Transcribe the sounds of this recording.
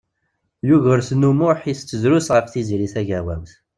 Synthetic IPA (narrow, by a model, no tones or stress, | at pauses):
juʝəɾθnumʊħist͡sːəzɾusʁəfθiziɾiθæʝæwæmθ